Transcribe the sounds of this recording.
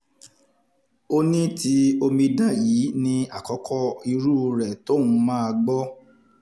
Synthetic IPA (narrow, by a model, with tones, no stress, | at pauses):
o˦nĩ˦ti˧˦o˧mĩ˧dã˦˨ji˨˦nĩ˧a˨kɔ˨˦kʰɔ˦i˧ɾu˦˧ɾɛ˨to˦wũ˧˦mãː˦a˧ɡ͡bɔ˦